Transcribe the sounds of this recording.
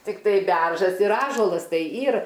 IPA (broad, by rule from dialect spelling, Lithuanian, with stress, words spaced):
tʲɪkˈtɐɪ ˈbʲɛrʒɐs ɪr ˈɑːʒuɔlˠɐs ˈtɐɪ ˈiːr